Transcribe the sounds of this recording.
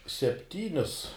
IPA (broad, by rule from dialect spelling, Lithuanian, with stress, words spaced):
sʲɛpʲˈtʲiːnʲʊs